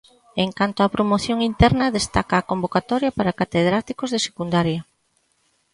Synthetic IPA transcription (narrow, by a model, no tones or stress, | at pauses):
eŋkant̪oapɾomoθjoŋint̪ɛɾnɐðest̪a̰kaːkombokat̪ɔɾjɐpaɾakat̪eðɾat̪ikozðese̥kund̪aɾjɐ